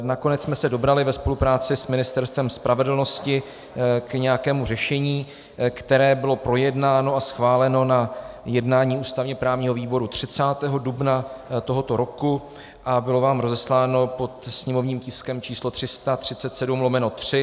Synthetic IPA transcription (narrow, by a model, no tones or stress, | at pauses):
nako̞nɛtt͡ssmɛsɛdo̞bɾalɪvɛspo̞lupɾaːt͡sɪsmɪnɪst̪ɛɾst̪vɛmspɾavɛdl̩no̞scɪ | kɲɛjakɛːmur̝ɛʃɛɲiː | kt̪ɛɾɛːbɪlo̞pɾo̞jɛdnaːno̞asxvaːlɛno̞najɛdnaːɲiːuːst̪avɲɛpɾaːvɲiːɦoviːbo̞ɾut̪r̝̥ɪt͡saːt̪ɛːɦo̞dubnat̪o̞ɦo̞t̪o̞ɾo̞ku | ʔabɪlo̞vaːmɾo̞zɛslaːno̞po̞t̪sɲɛmo̞vɲiːmcɪskɛmt͡ʃiːslo̞t̪r̥ɪst̪at̪r̝̥ɪtt͡sɛt̪sɛdumlo̞mɛnot̪r̝̥ɪ